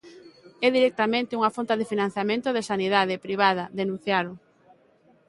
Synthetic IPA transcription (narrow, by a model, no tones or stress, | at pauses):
ɛðiɾɛk̚t̪amẽnt̪ɪuŋafont̪aðɪfinãn̟θjamẽnt̪ʊðesaniðaðɪpɾiβ̞að̞ɐðenũn̟θjalʊ